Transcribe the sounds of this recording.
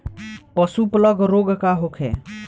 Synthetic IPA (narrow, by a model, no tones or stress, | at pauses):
pəsupləɡɾoɡʱkaɦokʰḛ